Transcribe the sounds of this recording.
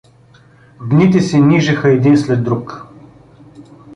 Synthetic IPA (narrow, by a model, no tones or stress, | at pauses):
d̪nit̪̬ɛsɛnʲiʒɛxəɛd̪inslɛd̪ːɾuk